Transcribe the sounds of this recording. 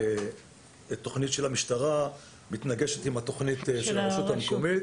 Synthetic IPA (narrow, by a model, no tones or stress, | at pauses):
et̪ːo̞χnitʃelamiʃtaʁa | mit̪naɡeʃetimat̪o̞χnit̪ʃelaʁeʃut̪hameko̞mit̪